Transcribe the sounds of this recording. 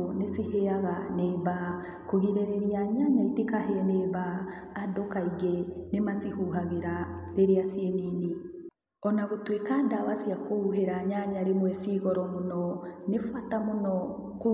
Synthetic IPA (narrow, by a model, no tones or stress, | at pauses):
nesiheaɣaneβa | koɣiɾɛɾɛɾiaɲaɲaitekaɦɛnebaː | dokaiɣenemasihuɦaɣeɾaɾeɾeasiɛnini | ɔnaɣotwekadawasiakouɦeɾaɲaɲaɾemwɛsiɣɔɾɔmonɔnefatamonɔko